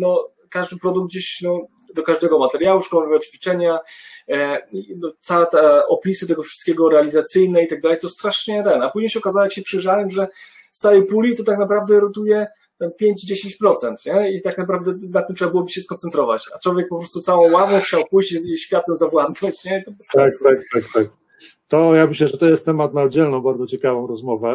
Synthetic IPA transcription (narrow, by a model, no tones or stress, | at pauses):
nɔ | kaʐd̪ɘpɾɔd̪uɡ̚d̪̚d͡ʑeɕnɔ | d̪ɔkaʐd̪ɛɡɔmat̪ɛɾʲjawuʂkɔmɔvɛvɔt͡ɕfʲit͡ʂɛɲa | inɔt̪sawɛt̪ɛɔpʲisɨt̪ɛɡɔfʂɨ̥st̪̚kʲeɛɡɔɾɛalʲizat̪sɘjnɛit̪aɡ̚d̪alɛjt̪ɔst̪ɾaʂɲɛt̪ɛnapuʑɲejɕɛɔkazawɔjakɕɛpʂɪjʐawɛmʐɛ | fst̪aɾɛjpulʲit̪ɔt̪aknapɾavd̪ɛɾɔt̪ujɛ | t̪ɛnpʲjeɲd͡ʑd͡ʑeɕẽɲt͡ɕpɾɔt̪sɛnt̪ɲɛit̪aknapɾavd̪ɛnat̪ːɨmtʂɛbabɘwɔbɘɕɛskɔnt̪sɛnt̪ɾɔva̰t͡ɕat͡ʂwɔvʲjɛk̚pɔpɾɔst̪ut̪sawɔ̃w̃wavɔ̃w̃xt͡ɕawpujt͡ɕɕfʲjat̪wɛmzavwand̪at͡ɕɲɛit̪ɔt̪akt̪ak̚t̪ak̚t̪ak̚ | t̪ɔjamɘɕlɛʐɛt̪ɔjɛst̪ːɛmat̪̚naɔd̪d͡ʑɛlnɔ̃w̃baɾd̪zɔt͡ɕɛkavɔ̃w̃ɾɔzmɔvɛ